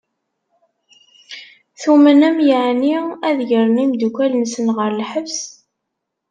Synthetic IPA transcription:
θumənæmjəʕniæðʝəɾˤənimd̪ukælnsənʁəɾˤlħəvs

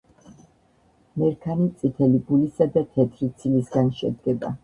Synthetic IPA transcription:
mɛɾkʰanit̪sʼit̪ʰɛliɡulisad̪at̪ʰɛt̪ʰɾit̪sʰilisɡanʃɛd̪̚ɡɛba̰

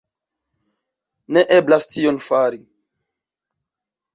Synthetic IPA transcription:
neʔeblastionfaɾi

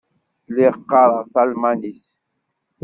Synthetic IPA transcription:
liqːaɾaʁθalmanis

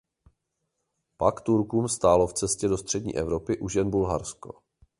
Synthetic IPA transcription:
pakt̪uɾkuːmst̪aːlo̞ft͡sɛscɛdo̞st̪r̝̥ɛdɲḭːʔɛvɾo̞pɪʔuʒɛnbulɦaɾsko̞̥̰

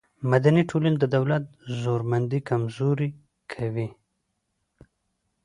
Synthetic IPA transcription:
mad̪aniʈʰolənd̪əd̪awlat̪̚zoɾmand̪ikamzoɾi | kʰawi

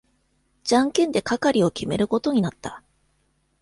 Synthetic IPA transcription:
d͡ʑãŋkẽ̞nd̪e̞kakaɾʲio̞kʲime̞̰ɾɯ̟ko̞t̪o̞ɲ̟inat̪ːa

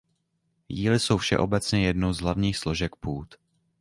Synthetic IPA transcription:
jiːlɪso̞wfʃɛ̰ʔo̞bɛt͡sɲɛjɛdnowzɦlavɲiːxslo̞ʒɛk̚puːt̪

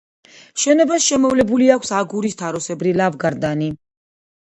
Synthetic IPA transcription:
ʃɛnɔbasʃɛmɔvlɛbuliakʰsaɡuɾist̪ʰaɾɔsɛbɾilavɡaɾd̪ani

